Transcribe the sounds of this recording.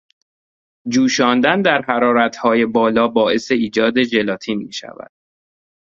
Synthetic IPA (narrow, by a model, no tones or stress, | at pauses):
d͡ʒuːʃɒːnd̪ænd̪æɾhæɾɒːɾæt̪ʰhɒːje̞bɒːlɒːbɒːe̞se̞iːd͡ʒɒːd̪e̞d͡ʒe̞lɒːt̪ʰiːnmiːʃæ̰væ̰d̪̥